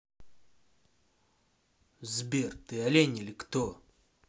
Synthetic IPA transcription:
zbʲert̪ɨalʲenʲilʲkt̪o

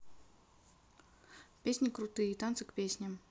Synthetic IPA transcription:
pʲesʲnʲikɾut̪ɨjəit̪ant̪sɨkpʲesʲnʲɐm

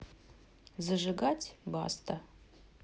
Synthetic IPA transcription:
zəʐɨɡatʲba̰st̪ə

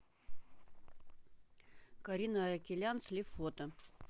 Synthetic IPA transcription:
kɐɾʲinəɾəkʲɪlʲanslʲɪfot̪ə

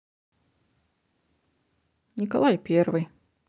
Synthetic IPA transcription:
nʲika̰lˠajpʲɛrvɨj

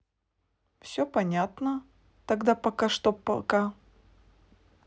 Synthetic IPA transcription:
fsʲɵpɐnʲat̪nə | t̪ɐɡd̪apɐkaʂt̪opːɐ̰lˠka

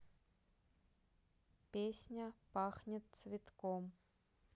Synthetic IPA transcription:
pʲesʲnʲɐpɑxnʲɪt̪svʲɪt̪kom

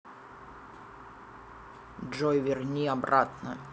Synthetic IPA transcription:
ʐɔjvʲɪrnʲiɐbɾat̪nə

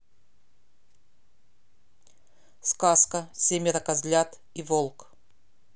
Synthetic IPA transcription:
skaskəsʲemʲɪɾɐkɐzʲlʲat̪ | ivolˠk

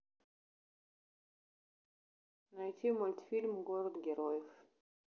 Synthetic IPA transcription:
nɐjt̪ʲimolʲt̪ʲfʲilʲmɡoɾəd̪ɡʲɛɾojɪf

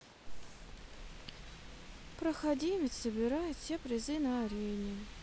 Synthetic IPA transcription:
pɾəxɐdʲimʲɪt̪səbʲɪɾajʊt̪fsʲepɾʲɪzɨnəːɾʲenʲɪ

